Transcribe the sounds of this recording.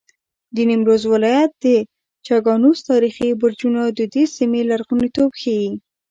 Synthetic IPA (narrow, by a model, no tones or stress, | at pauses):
d̪ənimɾozwɪlɑjat̪̚d̪̥ə | t͡ʃɑɡɑnust̪ɑɾixibʊɾd͡ʒunad̪əd̪esimelaɾɣunit̪obxewi